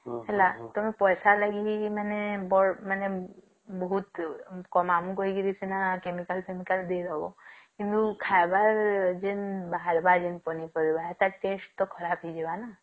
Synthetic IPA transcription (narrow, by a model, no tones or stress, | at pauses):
ɦɛlat̪ɔmẽpɔjsaləɡimɛnebɔmɛne | bɔɦut̪kɔmamũkɔɦiɡiɾisenakemikəlkemikəld̪eɾɔbokind̪ukʰajbaɾd͡ʒenbaɦaɾbad͡ʒenpɔnipəɾibaɦet̪aʈesʈ̚t̪ɔkʰɔɾapɦid͡ʒebana